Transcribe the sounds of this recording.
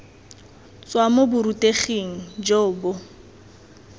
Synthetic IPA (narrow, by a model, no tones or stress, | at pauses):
t͡sʼwamobʊɾutʼeχeŋ̩d͡ʒoːbʊ